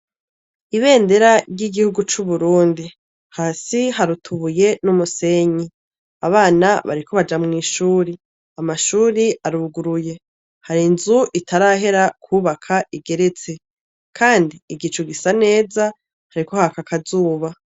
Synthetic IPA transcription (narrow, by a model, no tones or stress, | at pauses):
iβe̞ːnde̞ɾaɾɟiɡihuɡut͡ʃuβuɾuːndi | haːsiɦaɾutʰuβuje̞numuse̞ɲi | aβaːnaβa̰ɾiko̞βad͡ʒamŋiːʃuːɾi | amaʃuːɾiʔaɾuɡuɾuje̞ | haɾinzuʔitʰaɾaɦe̞ɾakʰuːβakʰaʔiɡe̞ɾe̞t͡se̞ | kʰaːndiːɡit͡ʃuɡisane̞ːza | haɾiko̞hakakʰazuːβa